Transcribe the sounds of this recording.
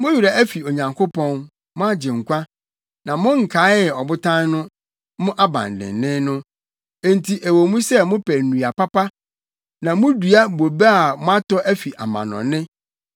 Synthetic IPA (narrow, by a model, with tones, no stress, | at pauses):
mʊ̃˦ji˨ɾa˨ʔæ˦fi˨o˨ɲã˨ŋkʰo˦pʰɔ̃˦n | mʊ̃˦a˦d͡ʑɪ̃˨ŋ̩˨kʷa˦ | nã˨mʊ̃˦ŋ̩˨kʰa˨˦ɛ˨ɔ˨bʊ˦tʰã˦nnʊ̃˦ | mʊ̃˦ʔa˦bã̰˨n˨dɪ̰̃˨nːɪ̃˦nʊ̃˦ | e˦n˨tʰi˨ʔæ˨wo˨mũ˦sɛ˦mʊ̃˦pʰæ˨nũ˨a˨pa˦pa˦ | nã˨mʊ̃˦du˨a˦bo˨bɛ˦a˨mʊ̃˦a˦tɔ˦ʔæ˦fi˨ʔa̰˨mã̰˨nɔ̰̃˨nɪ̃˦